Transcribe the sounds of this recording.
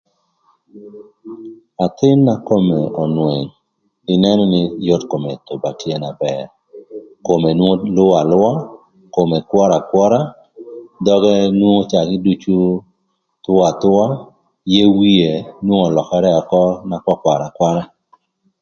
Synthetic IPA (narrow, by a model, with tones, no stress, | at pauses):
a˨t̪ɪ˦nːa˨ko˦me˨ɔ˨nwe˨ɲ | i˨nɛ˦nɔ˦nɪ˦jɔ˦tko˨me˨to˨ba˨kje˦na˨bɛ˨ɾ | ko˨me˨nwo˦lʊ˦a˨lʊ˦a˦ | ko˨me˨kwɔ˦ɾa˨kwɔ˦ɾa˦ | dɔ˦ɡɛ˦nwu˦ŋo˦t͡ʃa˨ɡɪ˦du˦t͡ʃu˦ | tʊ˦a˨tʊ˦a˦ | je˦wi˦e˨nwo˦ŋɔ˨lɔ˨kɛ˦ɾɛ˦a˨kɔ˦na˨kwɔ˦kwa˨ɾa˨kwa˦ɾa˦